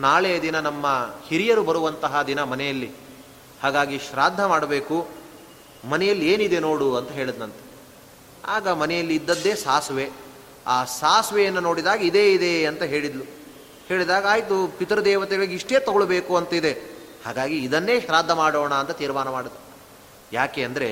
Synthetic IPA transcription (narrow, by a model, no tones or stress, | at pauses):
naːɭed̪inɐnɐmːɐhiɾijɐɾubɐɾuʋɐnt̪ɐɦɐd̪inɐmɐnɛjɐlːi | haːɡaːɡiʃɾaːd̪ʱːɐmaːɽɐbeːku | mɐnɛjɐlːieːnid̪e̞no̞ːɽuɐnt̪ɐɦe̞ːɭid̪nɐnt̪e̥ | aːɡɐmɐnɛjɐlːiːd̪ːɐd̪ːe̞ːsaːsʋe | aːsaːsʋɛjɐnːɐno̞ːɽid̪aːɡɐid̪e̞ːid̪eɐnt̪ɐɦe̞ːɭid̪lu | he̞ːɭid̪aːɡɐaːjit̪upit̪ɐɾɐd̪ɛːʋɐt̪ɛɡɐɭiɡiʂʈe̞ːt̪ɐɡoɭbeːkuɐnt̪ɐid̪e | ha̰ːɡaːɡiːd̪ɐnːe̞ːʃɾaːd̪ʱːɐmaːɽoːɳɐːnt̪ɐt̪iːɾmaːnɐmaːɽid̪ːɐ | jaːkeːɐnd̪ɐɾe